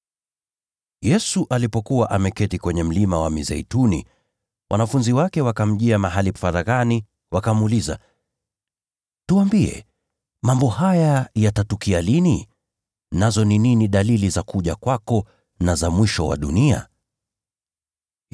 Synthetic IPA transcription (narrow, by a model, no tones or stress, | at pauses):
jɛsuʔalipɔkuwaʔamɛkɛtikwɛɲɛm̩limawamizɛ̰itunḭ | wʔa̰nafunziwakɛwakam̩ʄiamaɦalifaɾaɣani | wakamuliza̰ | tuwambiɛ̰ | mambɔhajajatatukialini | nazɔnininiɗalilizakuʄakwakɔ | nazamwiʃɔ̰wa̰ɗṵnia̰